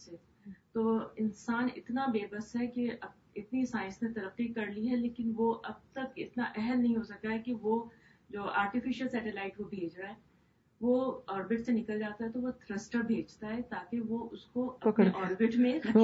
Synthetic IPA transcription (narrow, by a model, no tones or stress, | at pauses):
se | t̪oːɪnsaːnɪ̰t̪nabeːbəsɦɛkeɐ | ɪt̪nisaːɪ̃nsnẽt̪ɐɾəqːikɐɾliɦɛleːkɪnʋoʔɐb̚t̪ɐkɪ̰t̪naʔɛɦɛlnɐɦĩɦosɐk̚t̪aɦɛkiʋo | d͡ʒoːa̰ːɾʈɪfɪʃəlsɛːʈɪlaːɪʈʋobʱeːd͡ʒɾaɛ̃ | ʋoɔːɾbɪʈsenɪkəld͡ʒaːt̪aɦɛt̪oʋot̪ʰɾəsʈəbʱeːd͡ʒt̪aɦɛt̪aːkeʋoʔʊskoɐpneʔɔːɾbɪʈmẽɐ